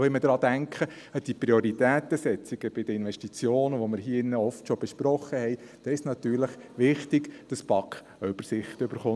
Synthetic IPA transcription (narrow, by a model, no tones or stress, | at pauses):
ʋɛməd̥̪ɾɑːd̥æŋkχə | əd̥ipɾioɾit̪æːt̪əsɛt͡siɡ̥əb̥ɪd̥əinʋɛʃtit͡sjoːnəʋoməɾɦiːɪnːəɔftʃob̥ɛʃpɾɔχːəhɛɪ | d̥ɛːɪsnɑt̪yːɾləχʋɪχtɪɡd̥ɑspɑkχ | ʏb̥əɾsɪχt̪øbəɾχʊ